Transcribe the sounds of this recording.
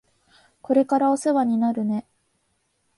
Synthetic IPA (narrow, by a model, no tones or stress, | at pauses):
ko̞ɾe̞kaɾaoseβaɲ̟inaɾɯ̟ne̞